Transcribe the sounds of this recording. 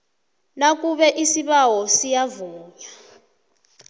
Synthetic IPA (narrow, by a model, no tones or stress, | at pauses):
nak̬uɓɛʔisiɓawɔsijavuːɲa